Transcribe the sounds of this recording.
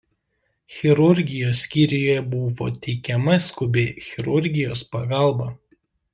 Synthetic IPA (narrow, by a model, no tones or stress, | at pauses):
xʲɛɾʊɾʲɡʲɪjoːsʲkʲiɾʲɪjoːjɛbʊʋo̰ːt̪ʲɛɪkʲɛmɐsʲkʊbʲeːxʲɛɾʊɾʲɡʲɪjoːspɐɡɑˑlˠˑbɐ